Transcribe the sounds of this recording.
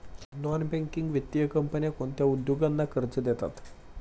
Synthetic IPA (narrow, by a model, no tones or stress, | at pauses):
nɔnbɛŋkiŋɡʋet̪ːjəkəmpənijakont̪jaud̪joɡanːakʰəɾt͡ɕəd̪et̪a̰t̪